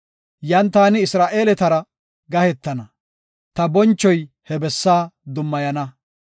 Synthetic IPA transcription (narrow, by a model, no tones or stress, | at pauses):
jɐnt̪aːnɪɪsɾaːʔe̞ːlɛt̪ɐɾɐ | ɡɐhɛt̪ːɐnɐ | t̪ɐbɔnt͡ʃːɔj | hɛbɛsːaːd̪ʊmːɐjɐnɐ